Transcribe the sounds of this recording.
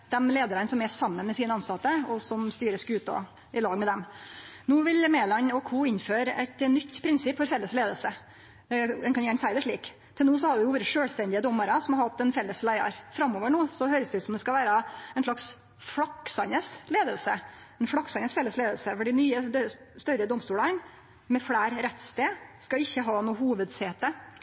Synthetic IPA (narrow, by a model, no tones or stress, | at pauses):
d̪̥ɛmleːd̪əɾənsɔmɛʂɑmːənmɛsiːnəɑnsɑt̪ːəɔsɔmst̪yːɾəsɡʉːt̪ɔ̰ | ɪlɑːɡmɛd̪ɛmnuːʋɪlmeːlɑnɔkʰuːɪnːføːɾɛ̰t̪nʏt̪ːpʰɾɪnsɪpːfɔɾfɛlːəsleːd̪əlsə | d̪ɛnkɑnjæːɳsæɪd̪əʂɭiːk | t̪ʰɪlnuːsɔhɑɾʋɪuːʋɾəʂøːlst̪ɛnd̪ɪəd̪ɔmːəɾəsɔmhɑɾhɑt̪̚ːd̪ɛnfɛlːəslæɪɑ̰ɾfɾɑmoːʋəɳuːsɔhøːɾəsd̪ɛʉːt̪sɔmd̪ɛskɑʋæːɾəɛnʂɭɑks | fɽɑksɑnəsleːd̪əlsə | ɛnfɽɑksɑnəsfɛlːəsleːd̪əlsəfɔɖɪnyːə | st̪œɾəd̪ɔmst̪uːlɑn | mɛfɽæːɾɾɛt̪ːst̪eːskɑɪçːəɦɑːnuːhuːʋəd̪seːt̪ə